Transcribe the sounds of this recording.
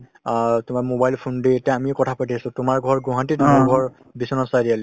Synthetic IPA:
tʊmaɹmobajlpʰundeetjaamiɛkɔtʰapatʰiasʊ̃tʊmaɹɡʱɔɹɡuɦãntitumaɹɡʱɔɹ | bisɔnɔsadialɛ

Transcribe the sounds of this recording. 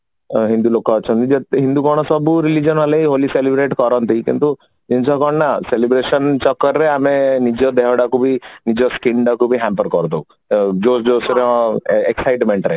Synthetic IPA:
ɦĩnd̪ulokɔːt͡ʃʰɔnid͡ʒeɦind̪uɡɔɽ̃ɔsɔbuɾilid͡ʒɔnʋalejɦoliselibɾeʈkɔɾɔnt̪ikḭnt̪u | d͡ʒint͡ʃɔkɔɳnaselibɾesɔnt͡ʃɔkːɔɾɾeamenid͡ʒɔd̪ʱɛɦɔɽakubʱinid͡ʒɔskiɳɖakubʱiɦampəɾkɔɾd̪ɔw | d͡ʒosd͡ʒosɾeeksajʈmẽɳʈɾe

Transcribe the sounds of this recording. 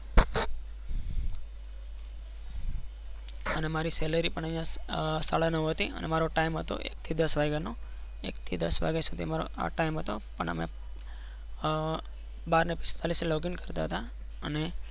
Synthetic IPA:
ənemaɾisɛləɾipəɳəijãsaɭanəʋɦət̪iə̰nʔḛmaɾoʈaimɦət̪o̰ʔḛk̚t̪ʰid̪əsʋaɡeno | ḛkt̪ʰid̪əsʋa̰ɡesud̪ʱiəmaɾo̰a̰ʈaimɦət̪opəɳə̰mḛ | baɾnepɪ̥st̪aliseloɡinkəɾt̪aɦət̪a | əne

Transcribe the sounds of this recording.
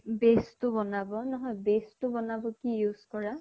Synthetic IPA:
bestʊbɔnabɔnɔɦɔjbestʊbɔnabɔkijuz̥kɔɹa

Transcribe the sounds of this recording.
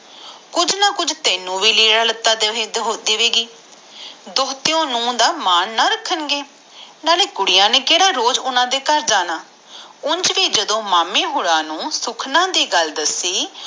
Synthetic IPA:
kʊd͡ʒnaːkʊd͡ʒt̪ɛːnũːʋiːliːɽaːlət̪ːaːd̪d̪eːʋeːɡiː | d̪oːt̪ɪjõːnũːd̪aːmaːnːaːɾəkʰːənɡeː | naːleːkʊɽɪjãːneːkeːɽaːɾoːd͡ʒʊnãːd̪eːkəɾd͡ʒaːnaː | ʊnd͡ʒʋiːd͡ʒəd̪õːmaːmẽːɦoːɽãːnũːsʊkʰnãːd̪iːɡəld̪əsiː

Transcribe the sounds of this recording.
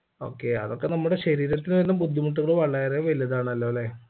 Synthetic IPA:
o̞̰ːkːe̞ɐ̰ðo̞kːe̞nɐmːuɽe̞ɕɐɾiːɾɐt̪ːinʋenːumbud̪ʱːimuʈ̬ːuɣɐɭʋɐɭːɐjɐrejɐʋɐlijɐðaːɳɐlːoleː

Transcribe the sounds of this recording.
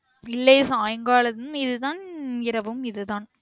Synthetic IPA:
ɪlːɐsaːjɐŋɡaːɭɐðɯmɪðɯðaːnɪɾɐʋɯmɪðɯðaːn

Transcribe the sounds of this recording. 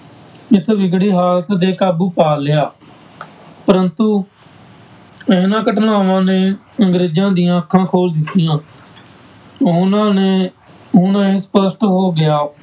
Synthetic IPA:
ɪsʋɪɡɽiːɦaːlt̪d̪eːkaːbuːpaːlɪjaː | pəɾənt̪uː | əːnãːkəʈnaːʋãːneː | əŋɡɾeːd͡ʒãːd̪ɪjãːəkʰːãːkʰoːld̪ɪt̪ːɪjãː | ʊnãːne | ʊnãːeːsə̥pəsʈɦoːɡɪjaː

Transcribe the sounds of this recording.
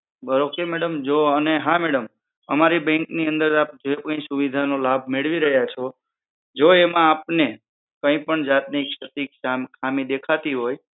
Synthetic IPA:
bəɾokemɛɽəmd͡ʒoəneɦãmɛɽəm | əmaɾibɛ̃ŋkniə̃nd̪əɾap̚d͡ʒoepkə̃ĩsuʋid̪ʱanolabʱmeɭʋiɾəɦjat͡ʃʰo | d͡ʒoemãːpne | kə̃ĩpəɳd͡ʒat̪nikʃət̪ikʃamkʰamid̪ekʰat̪iɦoj

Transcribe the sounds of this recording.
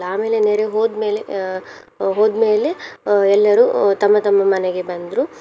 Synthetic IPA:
aːme̞ːleneːɾeɦoːd̪me̞ːle | ɦoːd̪me̞ːle̞ɛlːɐɾut̪ɐmːɐt̪ɐmːɐmɐneɡe̞bɐnd̪ɾu

